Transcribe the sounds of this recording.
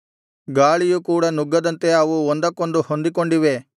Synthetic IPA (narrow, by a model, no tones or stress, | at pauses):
ɡaːɭijukuːɽɐnuɡːɐd̪ɐnt̪e̞ɐʋuond̪ɐkːo̞nd̪uhond̪ik̬o̞ɳɖiʋe̞